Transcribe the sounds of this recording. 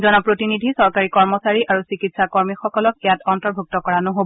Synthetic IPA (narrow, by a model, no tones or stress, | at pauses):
zɔnɔpɹotinidʱisɔɹkaɹikɔɹmɔsaɹiʔaɹusikitsakɔɹmixɔkɔlɔkijatɔntɔɹbʱuk̚tɔkɔɹanoɦob